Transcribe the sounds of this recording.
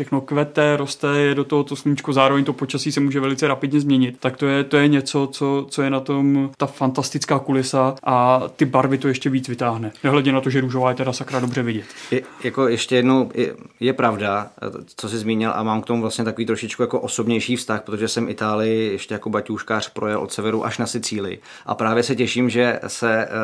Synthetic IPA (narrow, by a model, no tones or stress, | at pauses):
ʃɛxno̞kvɛt̪ɛɾost̪ɛjɛdo̞t̪oɦot̪osluɲɪt͡ʃkuzaːɾo̞vɛɲt̪opo̞t͡ʃasiːsɛmuːʒɛvɛlɪt͡sɛɾapɪdɲɛzmɲɛɲɪt̪t̪akt̪ojɛt̪o̞jɛɲɛt͡so̞t͡so̞t͡so̞jɛnat̪o̞mt̪afant̪ast̪ɪt͡skaːkulɪsaʔat̪ɪbaɾvɪt̪ojɛʃcɛviːt͡svɪt̪aːɦnɛnɛɦlɛdɲɛnat̪oʒɛɾuːʒo̞vaːjɛt̪ɛdasakɾado̞brɛvɪɟɛt̪ɛjako̞jɛʃcɛjɛdno̞wʔɪ̰jɛpɾavdat͡so̞sɪzmiːɲɪlʔa̰maːmkt̪o̞muvlast̪ɲɛt̪ako̞viːt̪ɾoʃɪt͡ʃkujakoʔoso̞bɲɛjʃiːfst̪axpɾot̪oʒɛsɛmɪt̪aːlɪjɪjɛʃcɛjako̞bacuːʃkaːr̝̥pɾo̞jɛlʔo̞t̪sɛvɛɾuʔa̰ʃnasɪt͡siːlɪ̰ | ʔa̰pɾaːvjɛsɛcɛʃiːmʒɛsɛ